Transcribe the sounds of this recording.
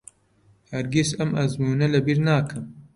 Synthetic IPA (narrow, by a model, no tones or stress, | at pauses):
hɐɾɡisɐmɐzmuːnɐlɐbiɾnaːkʰɨm